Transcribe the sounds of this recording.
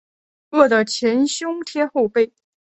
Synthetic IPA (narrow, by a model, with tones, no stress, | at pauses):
ɤ˥˩d̪ə˩t͡ɕʰjɛ˧˥nɕjʊ˥ŋt̪ʰjɛ˥xo˥˧ʊpe˥˩ɪ